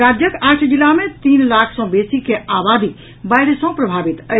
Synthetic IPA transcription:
ɾad͡ʒjəkaːʈʰd͡ʒilamẽt̪iːnlakʰsɔ̃besikeabad̪ʱi | baɪɽsɔ̃pɾəbʱabit̪ə

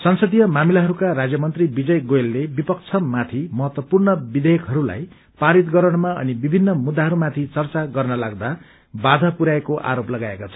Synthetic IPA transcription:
sʌnsʌd̪ijʌmamilaɦʌɾukarad͡zjʌmʌnt̪ribid͡zʌjɡojlːebipʌk̚t͡sʰʌmat̪ʰimʌɦʌt̪wʌpurnʌbid̪ekɦʌɾula̰j | paɽit̪ɡʌɾʌɽ̃maʌ̰nibibʱinːʌmud̪ːaɦʌɾumat̪ʰit͡sʌrt͡saɡʌrnʌlaɡd̪a | bad̪ʱʌpuɾaekoʔa̰ɾoplʌɡaekat͡sʰʌ̥

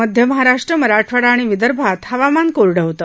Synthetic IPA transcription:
əd̪ʱjəməɦaɾaʂʈɾəməɾaʈʰʋəɽaːɽ̃iʋid̪əɾbʱat̪həʋamankoɾɽəɦt̪ə

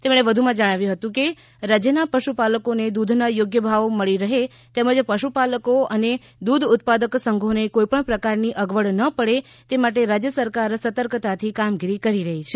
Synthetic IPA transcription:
t̪emɽ̃eʋəd̪ʱumãd͡ʒəɽ̃aʋjũɦət̪ũke | ɾad͡ʒjənapəʃupaləkoned̪ud̪ʱnajoɡjəbʱaʋməɭiɾəɦe | t̪eməd͡ʒpəʃupaləkoʔəne | d̪ud̪ʱʊt̪̚pad̪əksəŋɡʱonekoipəɳpɾəkaɾniʔəɡʋəɭnəpəɽe | t̪emaʈ̬eɾad͡ʒjəsəɾkaɾsət̪əɾkt̪at̪ʰikamɡiɾikəɾiɾəɦit͡ʃʰe

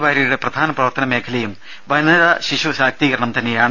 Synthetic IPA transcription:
ʋaːɾijuɽe̞prɐd̪ʱaːnɐprɐʋɐrt̪ɐnɐme̞ːkʰɐlɐjum | ʋɐnɐðɐɕiɕuɕaːk̚t̪iːɣɐɾɐɳɐmt̪ɐnːe̞jaːɳ

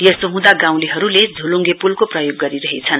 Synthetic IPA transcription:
jʌsoɦũd̪aɡãw̃liɦʌɾuled͡zʱuluŋɡepulkoprʌjoɡːʌɾiɾʌɦet͡sʰʌn

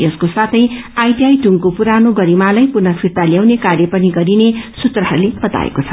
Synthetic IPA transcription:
jʌskosat̪ʰʌjajtiajʈuŋkopuɾanoɡʌɾimalajpunʌsʰirt̪aljawnekarjʌpʌniɡʌɾinesut̪rʌɦʌɾleb̥ʌt̪a̰ḛkot͡sʰʌ̥

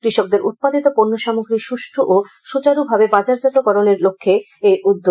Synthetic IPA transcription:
kɾiʃok̚d̪eɾʔut̪̚pad̪it̪opoɾnːoʃamoɡɾiʃuʃʈʰoʔo | ʃut͡ɕaɾubʱabebad͡ʑaɾd͡ʑat̪okɔɾoneɾlokʰːe | ejʔud̪ːo

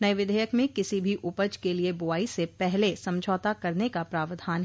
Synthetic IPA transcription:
nɐjʋɪd̪ʱəjəkmẽkɪsibʱiʔʊpəd͡ʒkeliebʊaːisepɛɦlesɐ̃md͡ʒʱɔːt̪akɐɾnekapɾaːʋd̪ʱaːnɦ

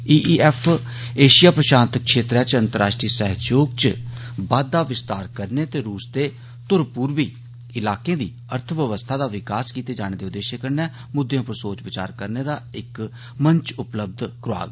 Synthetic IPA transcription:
iːʔiːɛːpʰ | eːʃɪjaːpɾəʃaːnt̪əkʃeːt̪ɾɛːt͡ʃə̃nt̪əɾaːʃʈɾiːsɛɦd͡ʒoːɡt͡ʃbaːd̪ːaːʋɪst̪aːɾkəɾneːt̪eːɾuːsd̪eː | t̪ʊɾpuːɾʋiː | ɪlaːkẽːd̪ḭː | əɾt̪ʰʋjəʋəst̪ʰaːd̪aːʋɪkaːskiːt̪eːd͡ʒaːɽ̃ẽːd̪eːʊd̪ːeːʃeːkəɾnɛː | mʊd̪ːjãːpəɾsoːt͡ʃʋət͡ʃa̰ːɾkəɾneːd̪aːɪk | məɲt͡ʃʊpləb̚d̪ʱkɾʊa̰ːɡ

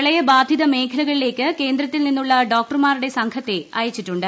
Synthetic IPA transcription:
ɐɭɐjɐbaːd̪ʱjiðɐme̞ːkʰɐlɐɣɐɭile̞ːkʲːɨke̞ːnd̪ɾɐt̪ːilninːuɭːɐɖo̞ːk̚ʈɐrmaːɾuɽe̞sɐŋkʰɐt̪ːe̞ɐːjɐt͡ɕːiʈːuɳɖɨ

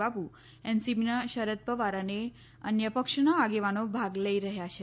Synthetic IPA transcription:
apu | ɛnsipinaʃəɾət̪̚pəʋaɾane | ə̰njəpəkʃnaaɡeʋanobʱaɡləiɾəɦjat͡ʃʰe

